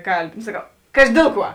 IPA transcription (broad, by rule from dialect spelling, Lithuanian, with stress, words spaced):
ˈkɐlʲˌbʲɪ noː sɐˈkɐʊ ˈkɑːʒʲɪ ˈdʲeːlˠ ˌkuɔ